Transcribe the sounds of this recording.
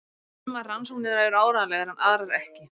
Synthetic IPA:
maransuknɪnaɪɾaːwɾaːðalɛːɣaɾhanʔaðɾaɾɛhcɪ

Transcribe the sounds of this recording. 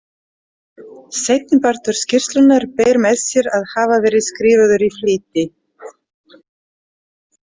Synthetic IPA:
sejt̪nɪpaɾ̥t̪ʏɾ̥scɪr̥st̪lʏnːaɾpeːjɾmɛðsjɛɾaðhaːvavɛːɾɪðskɾiːvaðʏɾifliːt̪ɪ

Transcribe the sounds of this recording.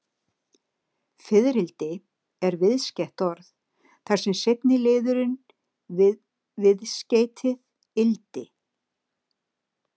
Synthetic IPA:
fɪðɾɪlt̪ɪ | ɛɾvɪðscɛht̪ɔɾθ | θaɾ̥sɛmsejp̪nɪlɪːðʏɾʏn | vɪðsceːjt̪ʰɪð | ɪlt̪ɪ

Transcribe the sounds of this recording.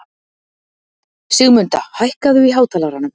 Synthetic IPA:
sɪɣmʏnt̪ahajhkaðʏiɦaːwt̪ʰaːlaɣɾanːʏm

